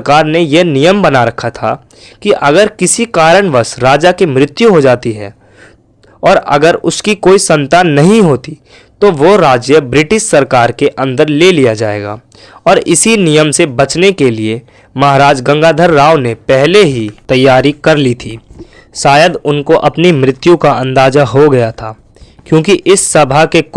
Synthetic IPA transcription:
kaːɾnejenijəmbɐnaɾɐkʰat̪ʰa̰ | kiʔɐɡəɾkɪsikaːɾəɳʋəsɾaːd͡ʒakemɾɪt̪juɦod͡ʒaːt̪iɦɛ̰ː | ɔːɾɐ̰ɡəɾʊskikoːisɐ̃nt̪aːnːɐɦĩɦoːt̪i | t̪oʋoɾaːd͡ʒjəbɾɪʈɪʃsɐɾkaːɾkeʔɐ̃nd̪əɾleːlijad͡ʒa̰ːḛːɡa̰ː | ɔːɾɪsinijəmsebɐt͡ʃnekelie | mɐɦaɾaːd͡ʒɡə̃ŋɡaːd̪ʱəɾːaːʊnepɛɦleɦit̪ɐjːaːɾikɐɾlit̪ʰiː | ʃaːjəd̪ʊnkoʔɐpnimɾɪt̪jũkaɐ̃nd̪aːd͡ʒaɦoɡɐjat̪ʰaː | kjõːkiʔɪsːɐbʱake

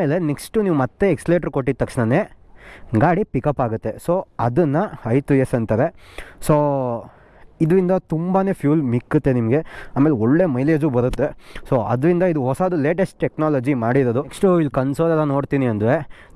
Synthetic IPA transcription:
aːme̞ːleneksʈuniːʋumɐt̪ːe̞ːksleʈɐɾkoʈːit̪ːɐkʂɳɐne | ɡaːɽipikɐpːaːɡut̪ːe̞soːɐd̪ɐnːɐɐjt̪uesɐnt̪aɾesoː | id̪ɾind̪ɐt̪umbaːne̞ːpʰjuːlmikːut̪ːe̞nimɐɡeaːmeːleɔɭːe̞ːmɐjleːd͡ʒubɐɾut̪ːe̞soːɐd̪ɾind̪ɐid̪uɦɔsad̪ule̞ːʈesʈ̚ʈeknaːlɐd͡ʒimaːɽiɾoːd̪uksʈuilːkɐnsolɛlːɐno̞ːɽt̪iːniɐnd̪ʋeː

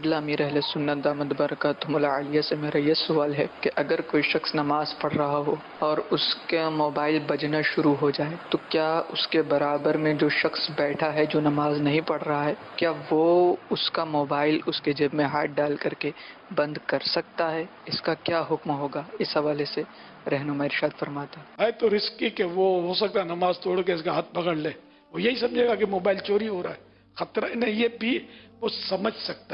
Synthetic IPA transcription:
ɐɡlamiːɾɛɦlesʊnːət̪̚d̪aːməd̪bɐɾəkaːt̪ʊmʊlaaːlɪjasemeːɾajesʊaːlɦɛkeʔɐɡəɾkoːiʃɐxsnɐmaːzpɐɽ̤ɾɐɦaɦo | ɔːɾʊskamoːbaːɪlbɐd͡ʒnaʃʊɾuɦod͡ʒaːet̪okjaːʊskebɐɾaːbəɾmẽd͡ʒoːʃɐxsbɛːʈʰaɦɛd͡ʒoːnɐmaːznɐɦĩpɐɽɾɐɦaɦɛːkjaːʋoʊskamoːbaːɪlʊsked͡ʒeːbmẽɦaːʈ̚ɖaːlkɐɾkebɐ̃nd̪kɐɾsɐk̚t̪aɦɛɪskakjaːɦʊkmɦoːɡaːɪsɦɐʋaːlese | ɾɛɦnʊmaːɪɾɪʃaːd̪fɐɾmaːt̪aɦaːit̪oɾɪskikeʋoɦoːsɐk̚t̪aɦɛnɐmaːzt̪oːɽkeɪskaɦɐt̪̚ʰbɐɡəɽlẽː | ʋojɐɦisɐ̃md͡ʒʱeːɡakemoːbaːɪlt͡ʃoːɾiɦoːɾaɦɛː | xɐt̪ɾɪnẽjebʱiʋosɐməd͡ʒʱsɐk̚t̪a

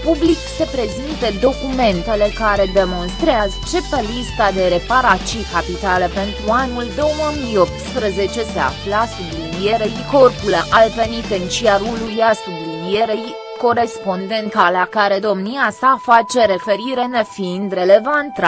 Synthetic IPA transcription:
publikse̞pɾe̞zint̪əd̪o̞kume̞nt̪e̞le̞kaɾe̞d̪e̞mo̞nst̪ɾeazt͡ʃe̞pelist̪ad̪e̞ɾe̞paɾat͡ʃikapit̪alepe̞nt̪ɾuanuld̪o̞wwəmijo̞p̚t̪spɾəze̞t͡ʃe̞sea̰flasublivieɾejko̞rpuləʔalpe̞nit̪ent͡ʃiaɾulujasublivijeɾej | ko̞ɾe̞spo̞nd̪e̞nt̪̚kalakaɾe̞d̪o̞mniasafat͡ʃe̞ɾe̞fe̞ɾiɾe̞nefind̪ɾe̞le̞vant̪a

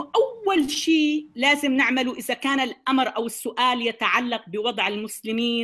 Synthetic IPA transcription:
ʔawːalʃiːlaːzɪmnɪʕmaluʔɪðakaːnalʔamɾʔawɪsːʊʔaːljat̪aʕalːaq̚bɪwɑd̪ˤʕɪlmʊslɪmiː

